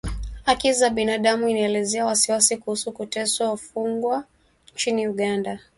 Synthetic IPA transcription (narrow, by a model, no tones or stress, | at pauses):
hakizaɓinaɗamuinaɛlɛzɛawasiwasikuhusukutɛsaufuŋɡwa | ɲt͡ʃiniuɠanda